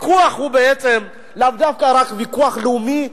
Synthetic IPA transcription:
kuaχhubeet͡sem | lavd̪afkaɾakvikuaχleumi

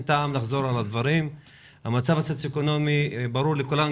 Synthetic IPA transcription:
t̪aːmlaχzo̞ɾalad̪vaɾim | hamat͡savasot͡seko̞no̞mibaɾuɾlekulam

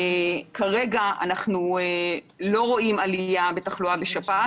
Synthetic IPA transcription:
kaʁe̞ɡaa̰naχnue | lo̞ʁo̞imalijabe̞taχluabeʃapa

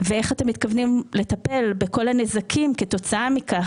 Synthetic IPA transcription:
vee̞χatemːit̪kavnimle̞t̪ape̞lbeko̞lanezakʰimke̞to̞t͡saamika

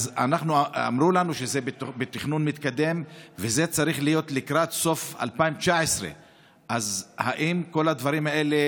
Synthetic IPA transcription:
zanaχnua̰mʁulanuʃezebebet̪iχnunmit̪kad̪e̞mveze̞t͡saʁiχlijo̞t̪likɾat̪so̞fa̰lpaimt͡ʃaesʁḛ | ʔazhaʔimko̞lad̪vaʁimae̞le̞

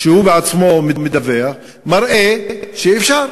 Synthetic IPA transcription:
ʃehubeat͡smo̞memed̪avea | maʁʔeʃeːfʃaʁ

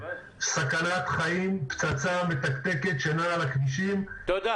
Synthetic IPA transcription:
sakanat̪χaimpt͡sat͡same̞t̪akt̪e̞ke̞t̪ʃanalakdiʃim

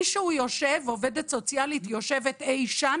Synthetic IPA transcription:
iʃeujoʃevove̞det̪so̞t͡sjalit̪joʃe̞vet̪ejʃa

